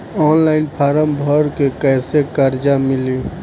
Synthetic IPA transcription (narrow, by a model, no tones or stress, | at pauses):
ɔːnlaɪnpʰaːɾəmbʱɔɾkekəjsekəɾd͡ʒamɪli